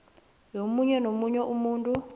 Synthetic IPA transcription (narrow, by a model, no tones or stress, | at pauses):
jomuɲɛnomuɲɛʔumuːntʼu